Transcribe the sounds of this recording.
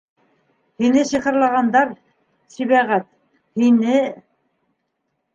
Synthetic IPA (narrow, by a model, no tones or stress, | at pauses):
hinɘsiqɤ̆ɾlˠɑʁɑnd̪ɑɾ | siβæʁæt̪̚ | hinɘ